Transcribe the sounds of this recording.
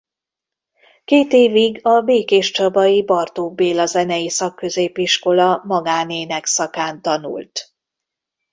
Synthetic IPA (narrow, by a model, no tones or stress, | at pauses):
keːt̪eːviɡɒbeːkeːʃt͡ʃɒbɒjibɒrt̪oːbeːlɒzɛnɛjisɒkːø̞zeːpiʃko̞lɒmɒɡaːneːnɛksɒkaːnt̪ɒnṵlt̪